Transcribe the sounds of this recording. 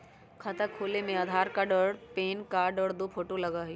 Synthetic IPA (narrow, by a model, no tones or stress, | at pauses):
kʰɐt̪əkʰoːlemẽɐd̪ʱaːɾkaɖəɽpeːnkaːɖəːɽd̪opʰoːʈolɐɡaɦiː